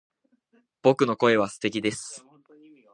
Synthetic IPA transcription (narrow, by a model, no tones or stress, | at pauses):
b̥o̞kɯ̟no̞ko̞e̞β̞asɨ̥t̪e̞kʲid̪e̞sɨ̥